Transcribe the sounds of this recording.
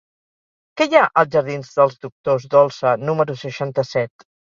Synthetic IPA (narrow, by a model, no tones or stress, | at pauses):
kɛjaʔəlˠʒəɾðinzðəlˠzd̪uk̚t̪ozd̪ɔlˠsənuməɾusəʃant̪əsɛt̪